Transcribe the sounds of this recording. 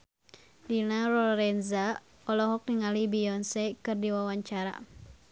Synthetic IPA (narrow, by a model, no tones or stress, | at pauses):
dinaɾɔɾɛnza | ɔlɔɦɔk̚niŋalibijɔnsɛkɨrdiwawaɲt͡ʃaɾa̰